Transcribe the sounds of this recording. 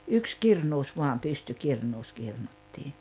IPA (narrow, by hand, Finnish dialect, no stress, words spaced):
yks kirnuːs ʋuɑm pystykirnuːs kirnutːiː